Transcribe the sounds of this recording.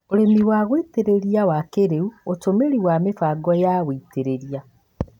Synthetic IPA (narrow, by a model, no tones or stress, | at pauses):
oɾemiwaːɣweteɾeɾiawakeɾeuotomeɾiwamefaɡɔjaːɣweiteɾeɾia